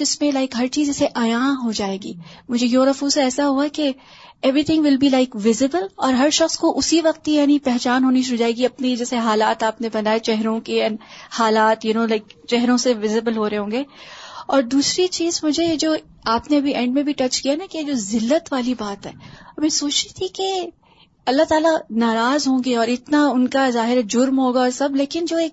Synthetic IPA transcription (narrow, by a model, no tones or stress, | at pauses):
d͡ʒɪsmẽlaɪkɦɐɾt͡ʃiːzɛːseʔɐjãːɦod͡ʒaːeːɡḭːmʊd͡ʒʱejoːɾɐfuːsɛːsaɦuake | ɛʋɾit̪ʰɪ̃ŋɡʋɪlbilaɪkʋɪzɪbəlɔːɾɦɐɾʃɐxskoʔʊsiʋɐqt̪ijaːnipɛɦt͡ʃaːnɦoːniʃod͡ʒaːeːɡiɐpned͡ʒɛːseɦaːlaːt̪aːpnebɐnaːjet͡ʃɛɦɾõkeɐ̃nhaːlaːt̪jʊnoːlaɪkt͡ʃɛɦɾõseʋɪzɪbəlɦoːɾeɦõːŋɡeːɔːɾd̪uːsɾit͡ʃiːzmʊd͡ʒʱejed͡ʒoː | aːpneɐbʱiʔɛ̃ɳɖmẽbʱiʈɐt͡ʃkijanakejed͡ʒoːzɪlːət̪ʋaːlibaːt̪ɦɛːɐbĩsoːt͡ʃit̪ʰike | ɐlːat̪aːlanaːɾaːzɦõːɡeɔːɾɪt̪naʊnkazaːɦɪɾɛd͡ʒʊɾmɦoːɡaɔːɾsɐbleːkɪnd͡ʒoːeːk̚